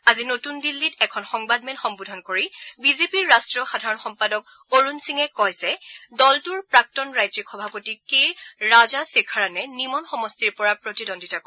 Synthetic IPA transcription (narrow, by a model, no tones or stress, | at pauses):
azinotundilːitɛkʰɔnxɔŋbadmenxɔmbudʱɔnkoɹibizepiɹːastɹɔxadʱaɹɔnxɔmpadɔk̚ | oɹunsiŋɛkɔjzɛdɔltuɹpɹak̚tɔnɹajzɔkxɔbʱapotikejɹɹazasekʰaɹanɛnimɔnxɔmɔstiɹpɔɹapɹotidondʱitakɔ